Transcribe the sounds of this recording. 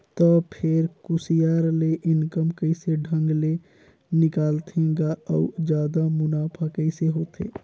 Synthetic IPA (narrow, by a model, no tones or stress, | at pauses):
t̪ɔpʰɪɾkʊsijaːɾleʔɪnkəmkəɪseɖʱə̃ŋɡle | nɪkaːlt̪ʰẽɡaɔud͡ʒjaːd̪amʊnaːpʰakəɪseɦoːt̪ʰḛː